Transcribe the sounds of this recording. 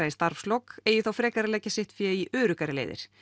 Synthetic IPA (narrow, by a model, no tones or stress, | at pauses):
ajɪst̪aɾfst̪lokeːjʏθawfɾɛːkaɾɪlɛːcasɪht̪fjɛiʔœːɾʏkaɾɪlḛjðɪ̰ɾ̥